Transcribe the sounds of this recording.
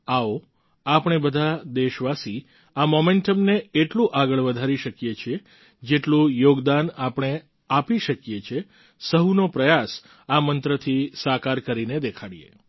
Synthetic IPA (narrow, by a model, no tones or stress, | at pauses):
ao | apɳ̃ebəd̪ʱad̪eʃʋasi | amomeɳʈəmneeʈlũʔaɡəɭʋəd̪ʱaɾiʃəkjet͡ʃʰe | d͡ʒeʈlũjoɡd̪anapɽ̃e | apiʃəkjet͡ʃʰe | səɦunopɾəjas | amənt̪ɾət̪ʰisakaɾkəɾined̪ekʰaɽijḛ